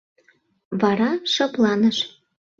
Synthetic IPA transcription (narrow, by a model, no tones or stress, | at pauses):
vɑɾɑʃɤ̆plˠɑnəʃ